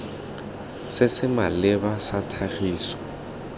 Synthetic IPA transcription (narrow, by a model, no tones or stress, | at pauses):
sɪsɪmalɪbasatʰaχiːsɔ̥